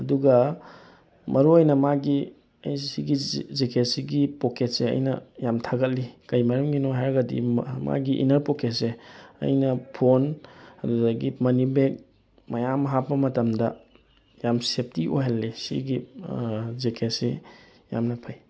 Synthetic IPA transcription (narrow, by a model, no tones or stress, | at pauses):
ɐduɡɐ | mɐɾuojnɐmaɡi | ɐ̰jsiɡizekʰetsiɡipoket̚seɐ̰jnɐ̰jamtʰaɡɐt̚likɐjmɐɾɐmɡinoɦajɾɐɡɐdḭma̰ɡiʔḭnɐɾpoketseɐ̰jnɐpʰonɐduɡaɡimɐnibek̚ | mɐjamɐɦapːɐmɐtɐmdɐ | jamsep̚ʰtiʔoɦelːesḭɡi | zekʰesi | ja̰mnɐpʰaj